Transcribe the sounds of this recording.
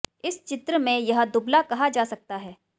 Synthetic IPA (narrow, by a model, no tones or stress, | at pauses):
ɪst͡ʃɪt̪ɾəmẽjɐɦd̪ʊblakɐɦad͡ʒaːsɐk̚t̪aɦɛː